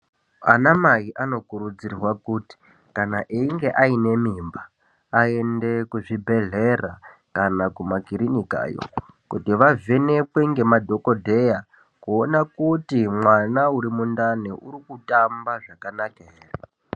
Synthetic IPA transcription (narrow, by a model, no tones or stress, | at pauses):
a̰namajiʔano̞kuɾud͡zirwakuti̥ | kanaʔeiŋɡe̞ʔaine̞miːmbaː | e̞nde̞kuʐibʱe̞ɮe̞ra̰kanakumakiɾinika̰ːjo̰ | kutiʋavene̞pweŋɡe̞madʱo̞ko̞dʱe̞ja | kuonakutimwanauɾimundaneʔuɾikutambaʐakanakeeːre